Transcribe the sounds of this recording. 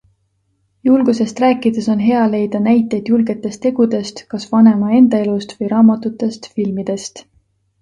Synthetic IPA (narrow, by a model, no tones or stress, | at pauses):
julɡ̥use̞st̪ræːkːˑid̪̥e̞so̞nɦe̞ɑle̞jd̪̥ɑnæjt̪ːˑejd̪̥julɡe̞t̪ːˑe̞st̪e̞ɡ̥ud̪e̞st̪kɑsvɑne̞mɑe̞nd̪̥ɑe̞lust̪vɤjɾɑːmɑt̪ˑut̪ːˑe̞st̪filmid̪̥e̞st̪